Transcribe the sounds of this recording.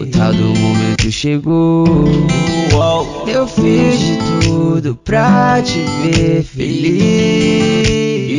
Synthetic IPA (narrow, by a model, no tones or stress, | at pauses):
ut̪ʰad̪ʊmomẽnt̪ʊʃeɡo | ewfizd͡ʒɪt̪uud̪ʊpɾat͡ʃivefeli